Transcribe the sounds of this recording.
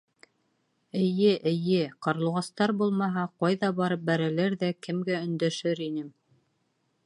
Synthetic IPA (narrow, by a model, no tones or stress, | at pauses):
ɘ̆jɘʔɘ̆jɘqɑɾlˠuʁɑst̪ɑɾbulˠmɑɦɑqɑjðɑbɑɾɤp̚bæɾælæɾðækɘ̆mɡæɵ̆nd̪æʃɘɾinɘm